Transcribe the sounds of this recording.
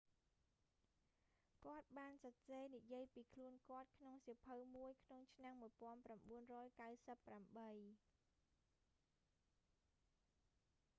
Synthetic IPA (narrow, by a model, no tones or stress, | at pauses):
kŏət̪̚ɓaːnsɑseːnijiəjpiːkʰluənkŏət̪̚kʰnoŋsiəpʰəwmuəjkʰnoŋt͡ɕʰnamːuəjpŏənpramɓuənrɔːjkawsəpːramɓəj